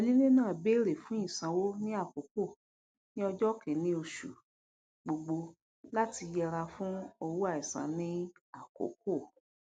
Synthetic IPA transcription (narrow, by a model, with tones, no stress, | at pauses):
ɔ˧li˦le˦nãː˦˨be˦ɾe˨fũ˦ĩ˦˨sã˨wo˦nĩ˦a˦˨ko˨˦ko˦˨ | nĩ˦ɔ˧d͡ʒɔ˦kɛ̃˨˦nĩ˦o˧ʃṵ˨ | ɡ͡bo˨ɡ͡bo˧ | la˦ti˧jɛ˧ɾa˧fũ˦o˧wu˦a˦˨i˨sã̰˨˦nĩ˦a˦˨ko̰˨˦k̚o˦˨